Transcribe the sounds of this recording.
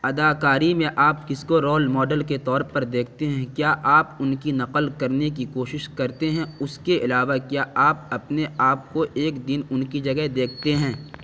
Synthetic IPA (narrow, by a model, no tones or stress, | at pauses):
ɐd̪aːkaːɾimẽʔaːpkɪskoɾɔːlmɔːɖəlket̪ɔːɾpɐɾd̪eːkʰt̪eɦɛ̃kjaːʔaːpʊnkinɐqəlkɐɾnekikoːʃɪʃkɐɾt̪eɦɛ̃ʊskeʔɪlaːʋakjaːʔaːp̚ɐpneaːp̚koʔeːkd̪ɪnʊnkid͡ʒɐɡəd̪eːkʰt̪eɦɛ̃ː